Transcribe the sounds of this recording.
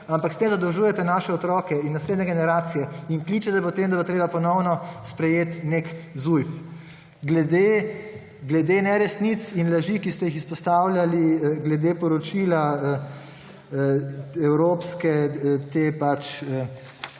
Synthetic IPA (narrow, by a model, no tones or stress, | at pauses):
ampakst̪eːmzad̪ɔwʒuːjɛt̪ɛnaːʃɛɔt̪ɾɔːkɛinːasleːd̪nʲɛɡɛnɛɾaːt̪sijɛiŋkliːt͡ʃɛt̪ɛpɔt̪eːmd̪abot̪ɾeːbapɔnɔwnɔspɾɛjeːt̪nekzujf | ɡlɛd̪e | ɡlɛd̪enɛɾɛst̪nit̪sinlaʒikist̪ɛjixispɔst̪awlʲjaliɡlɛd̪epɔɾɔt͡ʃilaə | ɛwɾoːpskɛt̪eːpat͡ʃə